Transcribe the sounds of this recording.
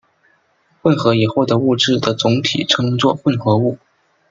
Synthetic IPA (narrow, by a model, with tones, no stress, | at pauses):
fə˥˩nxɤ˧˥i˨˩xɔ˥˩t̪ɤ˧˥u˥˧ʈ͡ʂɻ̩˥˩d̪ə˩t͡sʊ˧˥ŋt̪ʰḭ˨˩ʈ͡ʂʰɤ˥ŋt͡swɔ˥˧fwə˥˩nxɤ˧˥u˥˩